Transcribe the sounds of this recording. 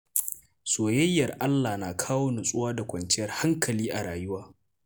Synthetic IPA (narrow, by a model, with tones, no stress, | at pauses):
soː˨jɐ˦jːɐ˨rʔa˦lːa˨naː˨kʰaː˦woː˦nʊ˨sʼʊ˦waː˦da˨kʷɐ˨nt͡ʃɪ˦jɐ˦rha˦ŋkɐ˨liː˦ʔa˨ɾaː˨jʊ˦waː˦